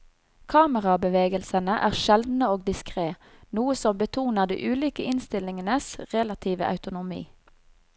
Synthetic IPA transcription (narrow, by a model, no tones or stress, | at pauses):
kʰɑːməʁɑbəʋeːɡəlsənəʔæːʁʃɛld̪n̩əoːɡ̚d̪ɪskʁeː | nuːəsɔmbət̪ʰuːnəʁd̪ḭːʔʉːliːkəʔɪnst̪ɪlɪŋənəsʁɛlɑt̪ʰiːʋə̰ʔɑ̰ʉt̪ʊnʊmḭː